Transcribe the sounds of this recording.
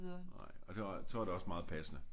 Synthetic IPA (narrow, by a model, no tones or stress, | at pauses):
ɐnɑ̰ɪ̰ɒ̽d̥eʋɑsʰɒʋɑ̈d̥e̝ɒ̽smɑ̈ːð̞̩ˠpʰæsənə